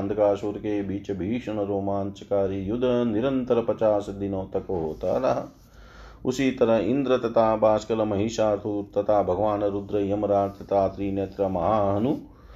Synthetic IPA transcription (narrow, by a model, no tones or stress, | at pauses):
nd̪ʱɐkaːʃuːɾkeːbʱiːt͡ʃɐbʱiːʂɐɳɐɾoːmaːnt͡ʃɐkaːɾijud̪ʱɐniɾɐnt̪ɐɾɐpɐt͡ʃaːsɐd̪inoːt̪ɐkɐɦoːt̪a̰ːɾɐɦɐ | usit̪ɐɾɐind̪ɾɐt̪ɐt̪ʰaːbaːskɐlɐmɐɦiːʃaːɾt̪ʰut̪ɐt̪ʰaːbʱɐɡɐʋaːnɐɾud̪ɾɐjɐmɐɾaːɾt̪ɐt̪aːt̪ɾiːneːt̪ɾɐmɐɦaːɦɐnu